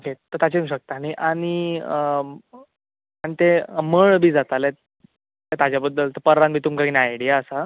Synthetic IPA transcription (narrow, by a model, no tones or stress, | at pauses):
oket̪əɾt̪at͡ɕeũmɕək̚t̪aːɽ̃iʔaɽ̃i | aɽ̃it̪eməɭbʱiːd͡zat̪ale | t̪at̪ad͡ʑjabəd̪ːəlt̪əɾpəɾanbʱiːt̪umkakinajɽijaəsa